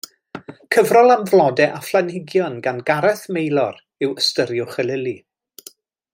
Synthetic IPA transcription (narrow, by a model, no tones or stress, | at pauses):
kʰəvrɔlˠamvlˠɔdɛʔaflˠanɪɡjɔnɡanɡaɾɛθmejlˠɔɾ | ɪwəstəɾjʊχɛlɪli